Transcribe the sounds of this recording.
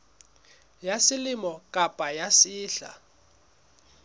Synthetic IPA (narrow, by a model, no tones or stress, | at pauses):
jasɪlɪmɔkʼapʼajasiːɬa̰